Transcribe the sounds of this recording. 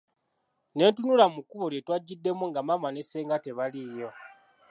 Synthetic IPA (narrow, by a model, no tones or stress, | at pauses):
ne̞ntunulamukuβoljetwaɟːidːe̞muŋɡamamane̞seːŋɡate̞βalijo̞